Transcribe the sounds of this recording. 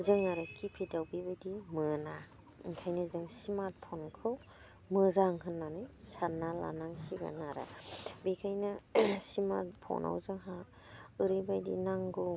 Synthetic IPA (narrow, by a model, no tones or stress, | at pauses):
zɯŋaɾɯkʰipʰidawbibajdimɯna | iŋkʰajnɯzɯŋsimat̚pʰɔnkʰɯw | mɯzaŋɦɯnːanɯjsanːala̰naŋsiɡa̰naɾa̰bikʰajnɯsima̰ɾt̚pʰɔ̰nʔa̰wzɯŋɦa | ɯɾɯbajdḭnaŋɡu